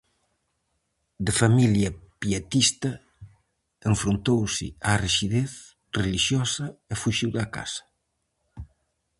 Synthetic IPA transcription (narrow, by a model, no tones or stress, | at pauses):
d̪ɪfamiljɐpiat̪ist̪ɐ | eɱfɾont̪owsɪ̰ariʃiðeθ | reliʃjɔsɐɪfuʃiwðɐka̰sɐ̥